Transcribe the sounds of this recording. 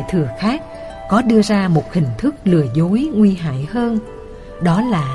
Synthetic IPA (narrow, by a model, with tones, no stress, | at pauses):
jt̪ʰɨ˨˩əxaː˦˥k̚ | kɔ˨˦ɗɨ˧əzaː˧mo˨˩t̚hï˨˩ŋ̟t̪ʰɨ˦˥k̚lɨ˨˩əzo˨˦jŋwi˧ɦa̰ː˧˨jhəː˧n | ɗɔ˨˦laː˨˩